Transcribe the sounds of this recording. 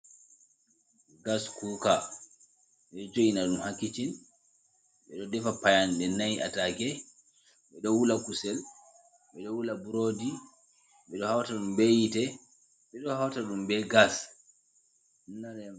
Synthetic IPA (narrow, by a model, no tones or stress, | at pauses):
ɡaskuka | ɓɛd͡ʒojinaɗumhakːit͡ʃin | ɓɛɗɔdɛfapajandɛnajia̰taɡɛ | ɓɛɗɔwulakusɛl | ɓɛɗɔwulabuɾodi | ɓɛɗɔhawtaɗumbejitɛ | ɓɛɗɔhawtaɗumbɛɡas | unːaɾ